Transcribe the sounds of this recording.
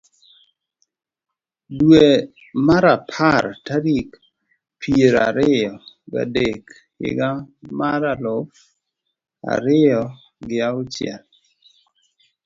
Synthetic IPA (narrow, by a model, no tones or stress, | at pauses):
dwe | maɾapʰartaɾik | pʰieɾa̰ɾɪjɔ | ɡa̰dek | ɪ̰ɡamaɾalʊf | a̰ɾɪjɔ | ɡɪaʊt͡ʃjɛ̰l